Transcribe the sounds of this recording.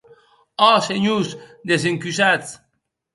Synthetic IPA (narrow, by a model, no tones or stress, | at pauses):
ɔseɲusd̪es̬eŋkysat͡s